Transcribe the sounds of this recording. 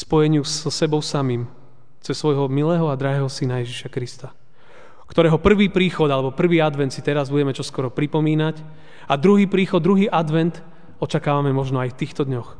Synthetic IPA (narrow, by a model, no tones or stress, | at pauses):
spɔjɛɲɪusɔsɛbɔʊsamiːm | t͡sɛsːʋɔjɦɔmilɛːɦɔad̪ɾaɦɛːɦɔsinajɛʒiʃakɾist̪a | kt̪ɔɾɛːɦɔpr̩ʋiːpɾiːxɔd̪alɛbɔpr̩ʋiːad̪ʋɛnt̪sit̪ɛɾazbuɟɛmɛt͡ʃɔskɔɾɔpɾipɔmiːnac | ad̪ɾuɦiːpɾiːxɔd̪d̪ɾuɦiːʔad̪ʋɛnt̪ | ɔt͡ʃakaːʋamɛmɔʒnɔajft̪iːxt̪ɔd̪ɲɔx